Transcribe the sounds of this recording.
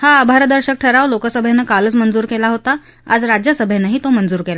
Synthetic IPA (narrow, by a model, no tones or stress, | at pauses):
haːbʱaɾəd̪əɾɕək̚ʈʰəɾaʋlokasəbʱjanːəkaləːt͡smənd͡zuːɾkelaɦot̪a | a̰d͡zɾad͡ʑjasəbʱjanːəɦiːt̪omənd͡zuːɾkela